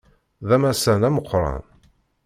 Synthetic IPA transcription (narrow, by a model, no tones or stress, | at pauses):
ðæmæsænæməqːɾˤɑ̰n